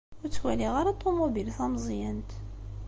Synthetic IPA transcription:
ʊɾt͡sːwæliʁaɾat̪ˤːomobilθæmzˤjənt̪

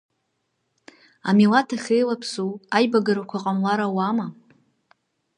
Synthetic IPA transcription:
a̰milatʰaχʲejlapʰsuajbaɡaɾakʷʰaqʼamlaɾawama

